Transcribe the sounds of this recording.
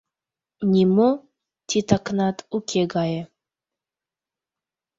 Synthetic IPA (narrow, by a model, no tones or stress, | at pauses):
nʲimo | t̪ʲit̪aknɑt̪ukʲʰeɡɑjə